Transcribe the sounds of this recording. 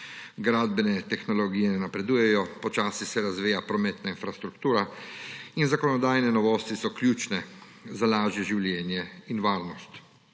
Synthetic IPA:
ɡɾaːd̪̚bɛnɛt̪ɛxnɔlɔɡijɛnɛnapɾɛd̪uːjɛjɔpɔt͡ʃaːsisɛɾazʋiːjapɾɔmɛt̪nainfɾast̪ɾukt̪uːɾa | inzakɔnɔd̪aːjnɛnɔʋɔːst̪isɔklʲjuːt͡ʃnɛ | zalaːʒjɛʒiwljɛːnjɛinʋaːɾnɔst̪

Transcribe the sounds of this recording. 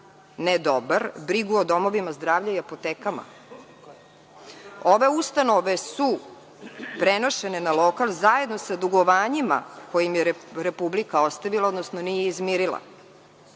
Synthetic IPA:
ned̪o̞baɾbɾiɡuod̪o̞mo̞ʋimazd̪ɾaːvʎaiapot̪eːkama̰ | oʋe̞ust̪ano̞ʋe̞su | pɾeno̞ʃe̞nenalˠo̞kalˠzaje̞d̪no̞sad̪uɡoʋaːɲima̰ko̞jimjeɾepublikao̞st̪aʋilaod̪nosnonijeizmiɾilˠa̰

